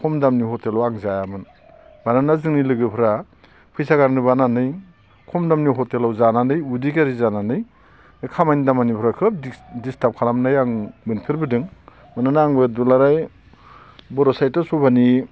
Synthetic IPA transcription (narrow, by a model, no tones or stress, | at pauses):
kʰɔmdamniɦɔtelawaŋzajamɯn | bananazɯŋnilɯɡɯpʰɾa | pʰɯjsaɡaɾnɯbananɯj | kʰɔmdamniɦɔtelawzananɯjudikaɾizananɯj | kʰamajnidamanipʰɾakʰɯp̚distap̚kʰalamnajaŋbɯnpʰiɾbɯdɯŋ | mananaːŋbɯdulaɾaj | bɔɾɔsajtasubani